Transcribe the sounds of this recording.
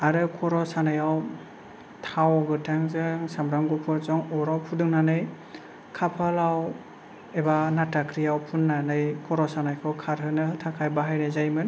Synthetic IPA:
aɾɯkʰɔɾɔsanɯjaw | tʰawɡɯtʰaŋzɯŋsamɾaŋɡɔpʰɯɾzɔŋɔɾawpʰudɯŋnanɯj | kʰapʰalaw | ebanatakʰɾijawpʰunːanɯjkʰɔɾɔsanajkʰɯkʰaɾɦɯnɯhɯtʰakʰajbaɦajnɯjzajmɯn

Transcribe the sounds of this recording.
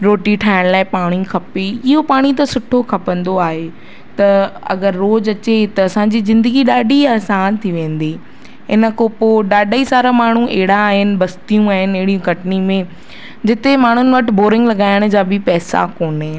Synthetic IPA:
ɾoːʈiʈʰaːɪɽ̃laːɪpaːɽ̃ikʰɐpeɪɦopaːɽ̃it̪ɐsʊʈʰokʰɐpə̃nd̪oaːɦe | t̪ɐɐ̰ɡəɾːoːd͡ʑɐt͡ɕet̪ɐɐsãɲd͡ʑizɪ̃nd̪əɡiɗaːɗiaːsaːnt̪ʰiʋẽːn̆d̪iː | ɦɪnə̆kopoɗaːɗʱaːisaːɾamaːɳ̤uʔeɦɪɽ̤aːɦɪnɪ̆bɐst̪ijũaːɦɪnɪ̆ɐɦɪɽijũkɐʈnimẽ | d͡ʑɪt̪emaːɳ̤ʊnɪ̆ʋɐʈɪ̆boːɾɪ̃ŋɡlɐɠaːɪɽ̃ʊ̆d͡ʑaːbɪpɛːsa̰koːnɦe

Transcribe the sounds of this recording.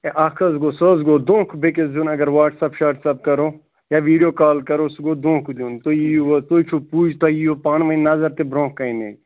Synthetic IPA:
eʔaːkʰɐzɡoːsəzɡoːd̪õːkʰbekesd̪unɐɡɐɾʋaːʈsɐpʃaːɾʈsɐp̚kɐɾoː | jaːʋiːɖijoːkaːlkɐɾosɡoːd̪õːkd̪uːnt̪oiʋɐt̪oːit͡ʃʰupuːd͡ʒt̪aiopaːnʋɐnnɐzɐɾt̪ebɾõːkːɐĩnḛ

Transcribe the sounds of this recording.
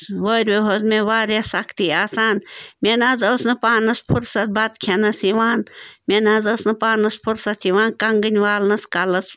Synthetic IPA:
ʋɐɾʲʋeɦozmeʋaːɾjasɐkt̪iaːsaːnmʲenaːzɐwsnɨpaːnɐspʰuɾsɐt̪̚bat̪kʰenɐsiʋaːnmenaːzɐwsnɨpaːnɐspʰuɾsɐt̪ʰiʋaːnkɐŋɡɨnʲʋaːlnɐskɐlɐs

